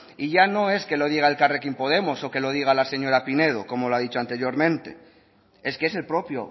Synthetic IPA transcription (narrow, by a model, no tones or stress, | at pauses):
iʝano̞e̞ske̞lo̞ð̞iɣ̞ae̞lkarekimpo̞ð̞e̞mo̞so̞ke̞lo̞ð̞iɣ̞alase̞ɲo̞ɾapine̞ð̞oko̞mo̞loaðit͡ʃoant̪e̞ɾjo̞ɾmẽ̞nt̪e̞̰ | e̞skee̞se̞lpɾo̞pjo̰